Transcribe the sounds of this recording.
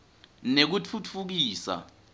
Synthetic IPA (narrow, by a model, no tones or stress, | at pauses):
nek̬ut͡fʰut͡fʰuk̬iːsa̰